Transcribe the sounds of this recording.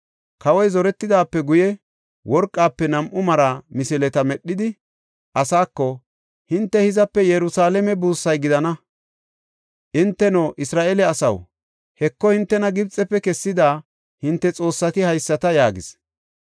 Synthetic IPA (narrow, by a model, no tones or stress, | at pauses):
kɐwɔjzɔɾɛt̪ːɪd̪aːpːɛɡʊjɛ | wɔɾkʼːaːpːɛnɐmʔʊmɐɾɐmɪsɪlɛt̪ɐmɛɗːɪd̪ɪ | ʔɐsaːkːɔ | hɪnt̪ːɛhɪzɐpːɛjɛɾʊsaːlɛmɛbuːsːɐjɡɪd̪ɐnɐ | ʔɪnt̪ːɛnoːʔɪsɾaːʔelɛɐsɐ̰w | hɛkːɔhɪnt̪ːɛnɐɡɪbt͡sʼːɛpːɛkɛsːɪd̪aː | hɪnt̪ːɛt͡sʼo̞ːsːɐt̪ɪhɐjsːɐt̪ɐjaːɡɪs